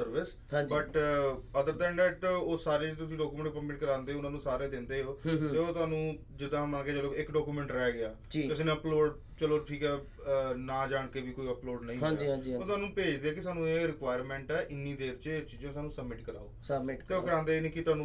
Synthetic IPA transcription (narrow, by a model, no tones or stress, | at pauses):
səɾʋɪs | ɦãːbəʈəd̪əɾd̪ənɖɛːʈoːsaːɾeːt̪ʊsĩːɖɔːkuːmɛ̃ːɳʈ̚pəmɪʈkəɾãːnd̪eːɦoʊnãːnũːsaːɾeːd̪ɪ̃nd̪eːɦoːt̪eːoːt̪ʊaːnũː | d͡ʒɪd̪ãːməlkeːd͡ʒəloːkɪkɖɔːkuːmɛ̃ːɳʈɾɛːɡɪaː | d͡ʒiʊseːnẽəploːɖ | t͡ʃəloːʈʰiːkɛː | naːd͡ʒaːɳ̃keːʋiːkoːiəploːɖnə̃ĩɦãd͡ʒ̃d͡ʒoːt̪ʊaːnũːpeːd͡ʒd̪eːɛːkɪsaːnũːeːɾɪkʋaːjɾmɛ̃ːɳʈɛːʔɪnːiːd̪eːɾt͡ʃt͡ʃiːd͡ʒãːsaːnũːsəbmɪʈkəɾa̰ːo̰ːt̪eːoːkəɾãːnd̪eːnĩːkɪt̪ʊaːnũː